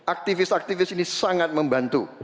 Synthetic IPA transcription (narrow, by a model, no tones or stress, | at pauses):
ʔak̚t̪ifɪsak̚t̪ifɪsinisaŋat̪̚məmbant̪ṵ